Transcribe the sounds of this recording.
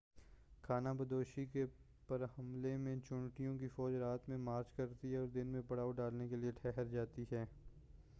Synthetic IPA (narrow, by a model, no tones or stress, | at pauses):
kʰaːnabɐd̪oːʃike | pɐɾhɐmlemẽt͡ʃʊ̃ɳʈijõkifɔːd͡ʒɾaːt̪mẽmaːɾt͡ʃkɐɾt̪iɦɛɔːɾd̪ɪnmẽpɐɽaːoɖaːlnekelieʈʰɛɦəɾd͡ʒaːt̪iɦɛː